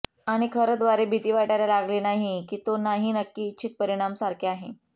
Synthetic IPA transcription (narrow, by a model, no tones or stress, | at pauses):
aɽ̃ikʰəɾət̪ʋaɾebʱit̪iːʋaʈaɾjalaɡlenaɦikiːt̪onaɦinəkːiːtːɕʰit̪̚pəɾiɽ̃amsaɾkʰeaɦe